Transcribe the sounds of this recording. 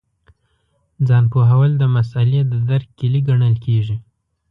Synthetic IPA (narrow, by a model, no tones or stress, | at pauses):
d͡zɑnpoɦawald̪əmasaljat̪̚d̪əd̪aɾk̚kiliɡaɳəlkʰeʒi